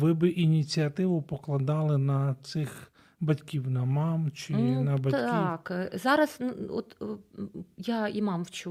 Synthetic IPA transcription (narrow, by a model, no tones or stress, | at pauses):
ʋɪbɪʔinʲit͡sʲiɐt̪ɪʋʊpɔklˠɐd̪ɑlˠɪnɐt̪sɪx | bɐtʲkʲiwnɐmɑmt͡ʃɪnɐbɐikzɑɾɐzno̰t̪ | jaimɑmwt͡ʃu